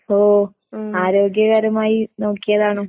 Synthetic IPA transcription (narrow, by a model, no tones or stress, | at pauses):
oː | aːɾoːɡjɐɣɐɾɐmaːjino̞ːkːijɐðaːɳoː